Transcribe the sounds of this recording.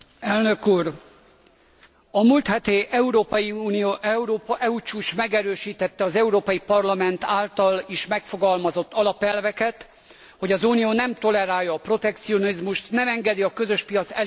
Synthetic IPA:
ɛlnø̞kuːr | ɒmult̪hɛt̪eːʔɛuɾoːpɒjiuːnijoːʔɛuɾoːpɒʔɛut͡ʃuːʃmɛɡɛɾøːʃiːt̪ɛt̪ːɛɒzɛuɾoːpɒjipɒrlɒmɛnt̪aːlt̪ɒliʃmɛkfo̞ɡɒlmɒzo̞t̪ːɒlɒpɛlvɛkɛt̪ | ho̞ɟɒzuːnijoːnɛmt̪o̞lɛɾaːjːɒːpro̞t̪ɛk̚t̪sio̞nizmuʃt̪nɛmɛŋɡɛd̪iɒkøzø̞ʃpijɒt̪sɛl

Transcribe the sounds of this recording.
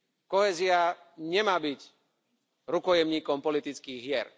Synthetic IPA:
kɔɦɛːzia | ɲɛmaːbic | ɾukɔjɛmɲiːkɔmpɔlit̪it͡skiːɣɦɪɛɾ

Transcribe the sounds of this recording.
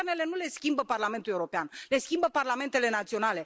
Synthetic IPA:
rnele̞nule̞skʲimbəparlament̪ulewɾopeanle̞skʲimbəparlame̞nt̪e̞le̞nat̪sio̞nale̞

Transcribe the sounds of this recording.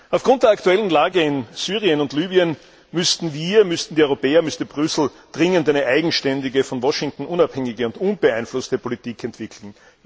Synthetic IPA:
ɑʊfɡ̥ʁʊ̃nt̚d̥eːɐaktuɛlən̩laːɡəɪnsyːʁiənʊntlyːbiən | mʏstn̩viːɐmʏstn̩diːœʏʁopeːɐmʏstəbʁʏsl̩ | d̥ʁɪŋəntæɪnəʔæɪɡŋ̩ʃtɛndɪɡəfɔnvɔʃɪŋktn̩ʔʊnaphɛŋɪɡəʊntʔʊnbəaɪnflʊstəpʰolitiːkʰɛntv̥ɪkʰl̩n̩

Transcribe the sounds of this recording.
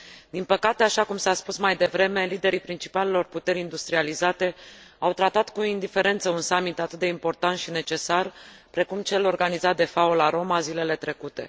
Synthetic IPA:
d̪̥inpəkat̪e̞aʃakumsaspusmajd̪e̞vɾe̞me̞lid̪e̞ɾipɾint͡ʃi̥pale̞lo̞rput̪e̞ɾʲind̪ust̪ɾializat̪e̞awt̪ɾat̪at̪kuind̪ife̞ɾe̞nt̪səunsamit̪at̪ɨt̪̚d̪e̞impo̞rt̪ant̪ʃine̞t͡ʃe̞sar | pɾe̞kumt͡ʃe̞lo̞rɡanizat̪̚d̪e̞faulaɾo̞mazile̞le̞t̪ɾe̞kut̪e̞̰

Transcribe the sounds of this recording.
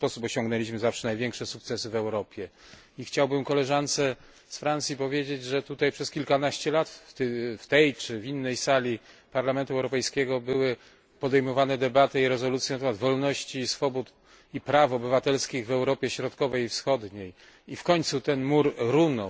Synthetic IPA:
spɔsupɔɕɔ̃ŋɡnɛlʲiɕ̬mɘzafʂɛnajvʲjɛŋkʂɛsuk̚t̪sɛsɘvɛwɾɔpʲjɛ | ixt͡ɕawbɘmkɔlɛʐant̪sɛ | sfɾant̪sʲjipɔvʲjed͡ʑed͡ʑʐɛt̪ut̪ajpʂɛskʲilkanaɕt͡ɕɛlat̪t̪ft̪ɛjt͡ʂɘvʲinːɛjsalʲi | paɾlamɛnt̪uɛwɾɔpɛjskʲɛɡɔbɘwɘ | pɔd̪ɛjmɔvanɛd̪ɛbat̪ɛiɾɛzɔlut̪sjɛnt̪ɛmad̪vɔlnɔɕt͡ɕiːsfɔbut̪ | ipɾafɔbɘvat̪ɛlskʲiɣvɛwɾɔpʲjɛɕɾɔt̪kɔvɛjifsxɔd̪ɲej | ifkɔɲt̪sut̪ɛnmuɾɾunɔ

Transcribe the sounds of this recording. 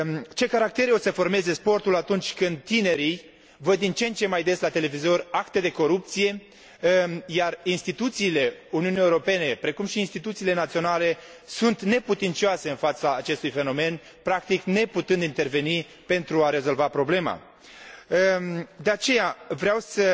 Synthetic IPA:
t͡ʃe̞kaɾak̚t̪e̞ɾo̞səfo̞rme̞ze̞spo̞rt̪ulat̪unt͡ʃʲkɨnd̪̚t̪ːine̞ɾij | vəd̪ːint͡ʃent͡ʃe̞majd̪e̞slat̪e̞le̞vizo̞rakt̪e̞d̪e̞ko̞ɾup̚t̪sije̞ | jarinst̪it̪ut̪siːle̞uniunijeuɾo̞pe̞ne̞pɾe̞kumʃiːnst̪it̪ut̪siːle̞nat̪sio̞nale̞ | sunt̪ne̞put̪int̪sioaseɨnfat̪saːt͡ʃe̞st̪ujfe̞no̞me̞n | pɾakt̪ikne̞put̪ɨnd̪int̪e̞rve̞ni | pe̞nt̪ɾuaɾe̞zo̞lvapɾo̞ble̞ma̰ | d̪e̞at͡ʃe̞javɾeawsə

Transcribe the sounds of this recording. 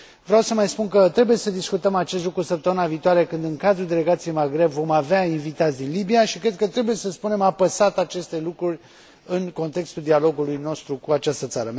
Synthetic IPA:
vɾʲawsəmajspunkət̪ɾe̞bujesəd̪iskut̪əmat͡ʃe̞st̪lukɾusəp̚t̪əmɨnaviːt̪oaɾe̞kɨnd̪ɨŋkad̪ɾuld̪e̞le̞ɡat̪sije̞jmaɡɾe̞bvo̞maveainvit̪at̪sʲd̪inlibijaʃikɾe̞d̪̚kət̪ɾe̞buje̞səspune̞mapəsat̪at͡ʃe̞st̪e̞lukɾurʲ | ɨnko̞nt̪e̞kst̪uld̪ialo̞ɡulujno̞st̪ɾukuat͡ʃast̪ət̪saɾə

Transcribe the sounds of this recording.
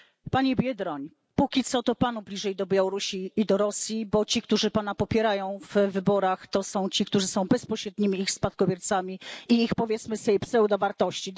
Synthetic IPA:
paɲibʲjɛd̪ɾɔɲ | pukʲit̪sɔt̪ɔpanublʲiʐɛjd̪ɔbʲjawɔɾuɕiːd̪ɔɾɔsʲjibɔt͡ɕik̚t̪uʐɘpanapɔpʲjɛɾajɔ̃w̃vvɘbɔɾaxt̪ɔsɔ̃w̃t͡ɕikt̪uʐɘsɔ̃w̃bɛspɔɕɾɛd̪ɲimʲiːxspat̪̚kɔbʲjɛɾt̪samʲiiixpɔvʲjɛt̪smɘsɛjpsɛwd̪avaɾt̪ɔɕt͡ɕi

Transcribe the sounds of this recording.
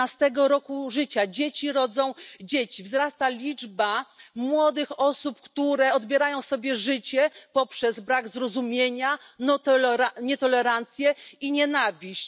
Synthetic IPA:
ast̪ɛɡɔɾɔkuʐɘt͡ɕad͡ʑet͡ɕiɾɔd̪zɔ̃w̃d͡ʑet͡ɕivzɾast̪alʲid͡ʐbamwɔd̪ɘxɔsupkt̪uɾɛɔd̪bʲjɛɾajɔ̃w̃sɔbʲjɛʐɘt͡ɕɛpɔpʂɛzbɾaɡzɾɔzumʲjeɲanɔt̪aɲɛt̪ɔlɛɾant̪sʲjɛiɲɛnavʲiɕt͡ɕ

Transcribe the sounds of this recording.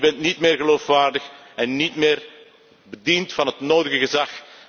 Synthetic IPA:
bɛntnitmɪːrɣəloːfʋaːrdəx | ɛnːitmɪːr | bədintfɑnɦətnoːdəɣəɣəzɑx

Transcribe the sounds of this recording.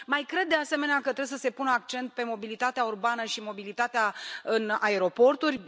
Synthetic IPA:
majkɾe̞d̪ːease̞me̞neakət̪ɾebesəse̞punəak̚t͡ʃe̞nt̪̚pe̞mo̞bilit̪at̪eaurbanəʃimo̞bilit̪at̪eaɨnae̞ɾo̞po̞rt̪urʲ

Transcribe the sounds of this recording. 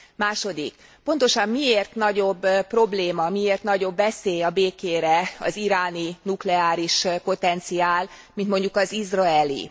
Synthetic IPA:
maːʃo̞d̪ik | po̞n̪t̪o̞ʃɒmːieːrt̪nɒɟo̞bːpːro̞bleːmɒmieːrt̪nɒɟo̞bːɛseːjɒbeːkeːɾɛɒ̰ziɾaːninuklɛaːɾiʃpo̞t̪ɛnt̪siaːl | mint̪mo̞ɲɟukɒzizrɒɛlḭ

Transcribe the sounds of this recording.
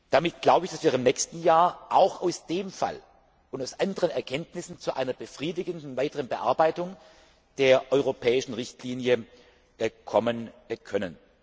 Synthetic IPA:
d̥amɪt̚ɡ̥laʊbəɪçd̥asv̥iːɐɪmnɛçstn̩jaːɐʔaʊxaʊsd̥eːmfa̰l | ʔʊntaʊsʔandəʁənɛɐkʰɛntnɪsn̩t͡suʔa̰ɪnɐbəfʁ̥iːdɪɡəndn̩vaɪtəʁənbəʔa̰ɐbaɪtʊŋ | d̥eːɐʔɔʏʁopʰɛːɪʃn̩ʁɪçtliːnjə | kʰɔmənkʰœnən

